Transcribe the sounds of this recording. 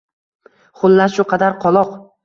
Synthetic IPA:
χʊlˠːaʃʊqʰɑd̪aɾqʰɒlˠɒq

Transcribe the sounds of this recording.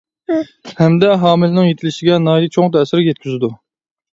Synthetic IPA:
hɛmd̪ɛɦɑːmɪlnɪŋjet̪ʰɪlɪʃɪɡʲɛnɑːjd̪ɨt͡ʃʰoŋt̪ʰɛsɪɾjɛt̪̚kʲʰyzɪd̪u

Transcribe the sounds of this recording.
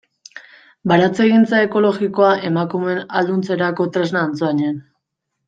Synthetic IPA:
baɾat͡se̞ɣint͡sae̞ko̞lo̞ɣiko̞aʔe̞makume̞nald̪unt͡se̞ɾako̞t̪ɾe̞znaːnt͡soaɲen

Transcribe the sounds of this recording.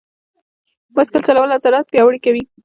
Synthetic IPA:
maskəlt͡ʃalawəlasaɾɑt̪̚pjɑwəɽikawi

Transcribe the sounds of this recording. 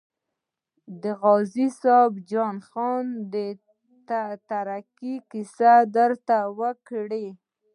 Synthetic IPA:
d̪əɣɑzisɑbd͡ʒɑnxɑnd̪ə | t̪aɾakikisad̪əɾt̪awəkɽe

